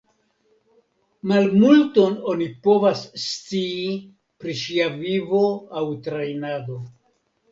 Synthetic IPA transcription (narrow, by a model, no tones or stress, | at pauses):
malmulto̞no̞nipo̞vasːt͡siː | pɾiʃiavivo̞awtɾajnado̞